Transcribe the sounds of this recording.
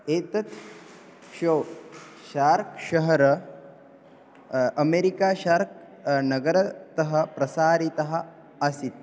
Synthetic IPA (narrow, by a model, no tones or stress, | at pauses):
eːt̪ɐt̪ | ʃɐw | ʃaːɾkʃɐɦɐɾɐ | ɐmeːɾikaːʃaːɾk̚ | nɐɡɐɾɐt̪ɐɦɐ̆pɾɐsaːɾit̪ɐɦɐ̆ | ɐsit̪̚